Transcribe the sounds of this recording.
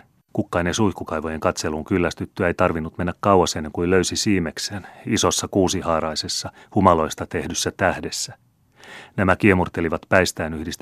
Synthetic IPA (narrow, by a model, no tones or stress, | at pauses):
kukːɑinesuihkːukɑjʋo̞je̞ŋkɑt̪se̞luŋkylːæst̪yt̪ːyejt̪ɑrʋinːut̪me̞nːækkːɑwɑsenːe̞ŋkuiløyɥsisiːme̞kseːniso̞sːɑkuːsihɑːɾɑjse̞sːɑ | humɑlo̞jst̪ɑt̪e̞hdysːæt̪æhdesːæ | næmækiemurt̪e̞liʋɑt̪pæjst̪æːnyhdist̪